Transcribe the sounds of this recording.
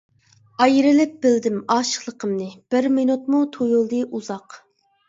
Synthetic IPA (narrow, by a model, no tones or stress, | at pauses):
ɑjɾɪlɪp̚b̥ɪld̪ɪmɑːʃə̥χlˠəqʰəmnɨb̥ɪɾminut̪̚mut̪ʰojolˠd̪ɨʔuzɑq